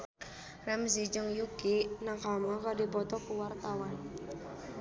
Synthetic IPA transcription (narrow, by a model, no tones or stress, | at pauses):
rɛms̬id͡ʒəŋjukinaŋkamŋakadipɔt̪ɔkuwart̪awan